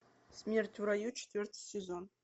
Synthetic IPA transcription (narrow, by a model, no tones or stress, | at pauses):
smʲert̪ʲʰuɾajut͡ʃʰe̥t̪ʰvʲert̪ʰsezon